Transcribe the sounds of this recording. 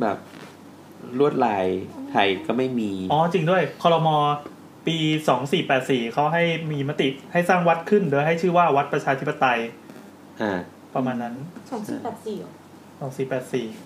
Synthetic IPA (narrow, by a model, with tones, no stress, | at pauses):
bɛ̰ː˨˩p̚ | ɾu˥˩ət̪̚laː˧jt̪ʰa˧jkɔː˥˩ma˥˩jmiː˧ʔɔː˧˩t͡ɕi˧ŋdu˥˩əjkʰɔː˧ɾɔ˧mɔː˧ | piː˧sɔː˩˦ŋsiː˨˩pɛː˨˩t̪̚siː˨˩kʰa˦˥wɦa˥˩jmiː˧ma˦˥t̪i˨˩ha˥˩jsaː˥˩ŋwa˦˥t̪̚kʰɯ˥˩ndɯː˧˦jɦa˥˩jt͡ɕʰɯː˥˩waː˥˩wa˦˥t̪̚pɾa˧t͡ɕʰaː˧t̪ʰi˦˥pːa˧t̪a˧j | ʔaː˧˩ | pɾa˧maː˧nːa˦˥nsɔː˨˩˦ŋsiː˨˧˩pɛː˨˩t̪̚siː˨˩ | sɔː˩˦ŋsiː˨˩pɛː˨˩t̪̚siː˨˩